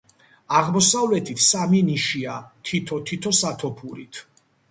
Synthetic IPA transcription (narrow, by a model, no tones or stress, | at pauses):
aʁmɔsavlɛt̪ʰit̪ʰsaminiʃiat̪ʰit̪ʰɔt̪ʰit̪ʰɔsat̪ʰɔpʰuɾit̪ʰ